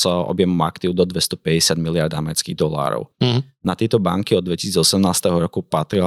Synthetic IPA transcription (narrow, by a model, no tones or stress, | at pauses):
sɔ̰bjɛmɔmakt̪iːʊd̪ɔd̪ʋɛst̪ɔpɛɟɛsɪad̪milɪaɾd̪amɛɾɛt͡skiːɣd̪ɔla̰ːɾɔ̰ʊnat̪ɪɛt̪ɔbaŋkiɔd̪d̪ːʋɛci̥siːd͡zɔsɛmnaːst̪ɛɦɔɾɔkupat̪ɾi